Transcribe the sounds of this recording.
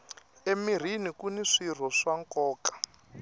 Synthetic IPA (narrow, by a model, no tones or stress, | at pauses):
emir̤inikuniʂir̤ɔʂaŋkɔːkḁ